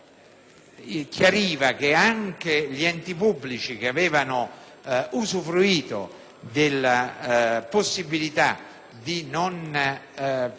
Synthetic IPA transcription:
kʰjaɾiːvak̟eaŋkeʎiɛnt̪ipubːlit͡ʃik̟eavɛːvano | uzufɾuiːt̪o̰ | d̪ɪlːa | posːibilit̪a̰ | d̪inon

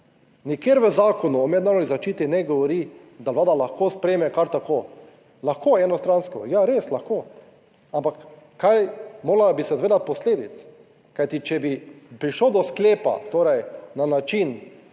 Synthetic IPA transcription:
nikjeɾʋəzaːkɔnuɔmɛd̪naːɾoɔnizat͡ʃiːt̪inɛɡɔʋɔɾi | d̪alaːd̪alaxkoːspɾɛjmɛkaɾt̪akoː | laxkoːɛːnɔst̪ɾanskɔjaɾeːslaxko | ampakː | ajmoːɾabisɛzʋeːd̪at̪̚pɔsleːd̪it̪s | kajt̪it͡ʃɛbipɾiʃloːd̪ɔskleːpa̰t̪oːɾɛjnanat͡ʃin

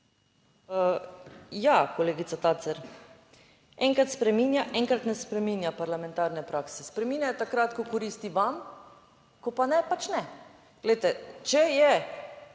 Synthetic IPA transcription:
ə | jakoleːɡit̪sat̪aːsɛɾ | ɛŋkɾat̪spɾɛmiːnjaʔɛŋkɾat̪nɛspɾɛmiːnjapaɾlamɛ̃nt̪aɾnɛpɾaːksɛspɾɛmiːnjajt̪akɾaːt̪kɔkɔɾiːst̪iʋam | kɔpanɛpat͡ʃnɛ | ɡ̥lɛjt̪ɛt͡ʃɛjɛ

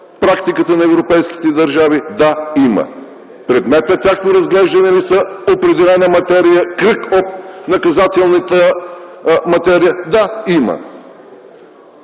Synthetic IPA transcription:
pɾakt̪ikət̪ənɐɛvɾopɛjski̥t̪ɛd̪ɐɾʒavid̪aimə̰ | pɾɛd̪mɛt̪nɐt̪ʲjaxnoɾɐzɡlɛʒd̪ɐnɛnisɐopɾɛd̪ɛlɛnəmɐt̪ɛɾijəkɾəkot̪nɐkɐzat̪ɛlˠnət̪ə | mɐt̪ɛɾijəd̪aimə̰

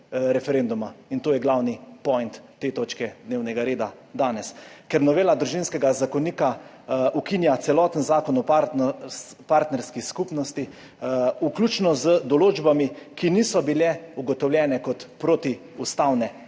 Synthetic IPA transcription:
ɾɛfɛɾeːnd̪umaint̪oːjɛɡlawnipɔjnt̪ːeːt̪oːt͡ʃkɛd̪neːwnɛɡaɾeːd̪a | d̪aːnɛskɛɾnɔʋeːlad̪ɾuʒinskɛɡazakɔniːka | ukinjat̪sɛlɔːt̪ənzaːkɔnɔa | paɾt̪nɛɾskiskupnɔst̪i | uklʲut͡ʃnɔzəd̪ɔloːd͡ʒbamikiniːsɔbilɛuɡɔt̪ɔwlʲjɛːnɛkɔt̪pɾoːt̪i | ust̪awnɛ

